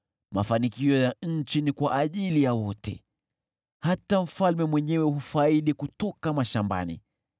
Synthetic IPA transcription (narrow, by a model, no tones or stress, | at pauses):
ma̰fanikiɔjaɲ̩t͡ʃinikwaʔaʄilijawɔtɛ̰ | hatam̩falmɛmwɛɲɛwɛhufaiɗikutɔkamaʃamba̰nḭ